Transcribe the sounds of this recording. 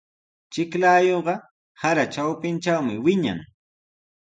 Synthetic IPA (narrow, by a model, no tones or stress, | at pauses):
t͡ʃɪklaːjoɢɑ | haɾat͡ʃawpɪnt͡ʃawmɪwɪɲa̰ŋ